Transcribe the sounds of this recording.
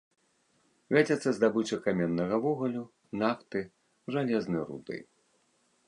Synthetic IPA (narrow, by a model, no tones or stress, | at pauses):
vʲad͡zʲɐt̪sːɐzd̪abɨt͡ʂɐkamʲɛnːɐɣɐvɔɣɐlʲu | naxt̪ɨ | ʐalʲɛznɨɾṵt̪ɨ̰